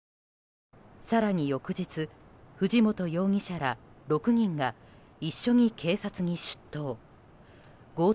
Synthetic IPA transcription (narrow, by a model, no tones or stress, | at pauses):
saɾaɲ̟ijo̞kɯ̟d͡ʑit͡sɨɸɯ̟ʑimo̞t̪o̞jo̞ːŋ̟iɕaɾaɾo̞kɯ̟ɲ̟ĩŋɡa | iɕːo̞ɲ̟ikʰe̞ːsat͡sɨɲ̟iɕɨ̥t̪ːo̞ː | ɡo̞ː